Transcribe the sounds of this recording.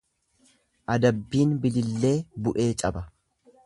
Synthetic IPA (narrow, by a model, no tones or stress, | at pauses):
ʔɐd̪ɐbːiːnbɪlɪlːe̞ːbʊʔe̞ːt͡ʃʼɐbɐ